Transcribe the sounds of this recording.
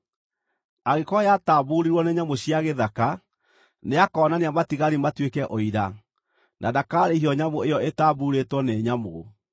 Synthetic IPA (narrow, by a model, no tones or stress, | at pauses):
aɣekɔjataːβuɾiɾwɔneɲamoɕiaɣeðaka | neakɔːnaneamatiɣaɾimatwekɛʔoiɾa | nʔadakaːɾehiɔɲamoejɔetaβuɾetwɔnɛɲamo